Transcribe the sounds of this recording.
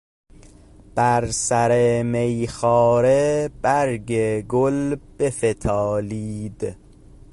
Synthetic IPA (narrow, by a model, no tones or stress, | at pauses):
b̥æɾsæɾemejxɒːɾeb̥æɾɡeɡolb̥efet̪ʰɒːliːd̪